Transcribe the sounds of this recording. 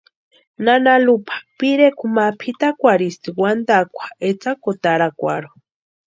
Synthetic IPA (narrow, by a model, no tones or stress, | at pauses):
nanalupʰḁpiɾekumapʰit̪akʷaɾist̪iwand̪akʷḁet͡sakot̪aɾakʷa̰ɾo̥